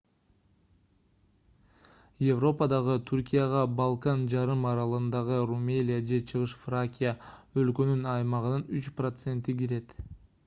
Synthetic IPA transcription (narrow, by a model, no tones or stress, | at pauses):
jevro̞pəd̪ɑʁɯt̪ʰuɾkʲijɑʁɑbɑlˠkɑnd͡ʒɑɾɯmɑɾɑlˠɯnd̪ɑʁɯrumʲelʲɪjad͡ʒe̞t͡ʃʰɯʁɯʃfrakʲijaølkø̞nynɑjmɑʁɯnɯnyt͡ʃprot̪se̞nt̪iɡiɾe̞t̪